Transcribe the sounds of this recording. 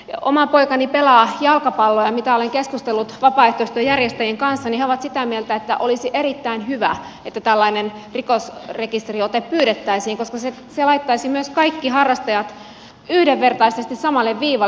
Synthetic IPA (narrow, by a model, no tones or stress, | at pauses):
o̰mɑpoikɑnipelɑːjɑlkɑpɑlːojɑmit̪æoleŋkeskust̪elːut̪ʋɑpɑːˑeht̪oist̪øjærjest̪æjeŋkɑnsːɑniheoʋɑt̪sit̪æmielt̪æet̪ːæʔolisiʔeɾit̪ːæinhyʋæ | et̪ːæt̪ælːɑinenrikosrekist̪riot̪eppyːɾet̪ːæisiːŋkoskɑse | selɑit̪ːɑisimyøskɑikːihɑrːɑst̪ɑjɑt̪ | yhdeʋːert̪ɑisest̪issɑmɑlːeʋʋiːʋɑ